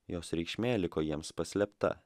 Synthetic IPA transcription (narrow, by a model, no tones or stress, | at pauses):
joːsɾʲɛɪkʃʲmʲeːlʲɪkoːjiɛmspɐsʲlʲɛpt̪ɐ̰